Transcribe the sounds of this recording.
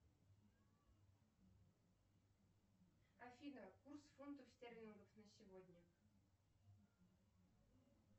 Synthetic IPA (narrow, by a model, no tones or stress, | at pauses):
ɐfʲinəkursfont̪əftʲerʲɪŋɡəfnəsʲɪvod̪ʲnʲə